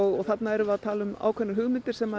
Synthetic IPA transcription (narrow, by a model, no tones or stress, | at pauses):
ɔɣɔɣθat̪naɛɾʏaðʰaːlʏma̰ːwkʰɛnːʏɾɦʏɣmɪnt̪ɪɾ̥sɛmːa